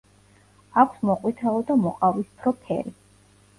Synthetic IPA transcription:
akʷʰsmɔqʼwit̪ʰaɔd̪amɔqʼavispʰɾɔpʰɛ̰ɾi

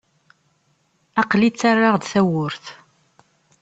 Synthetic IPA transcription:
ɑqlit͡sːarːaʁd̪θæwʊɾθ

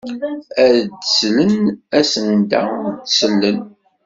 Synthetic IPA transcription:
æðd̪əslənæsənd̪æ̰d̪səlːən

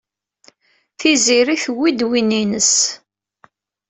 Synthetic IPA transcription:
θiziɾiθwːid̪wininəs

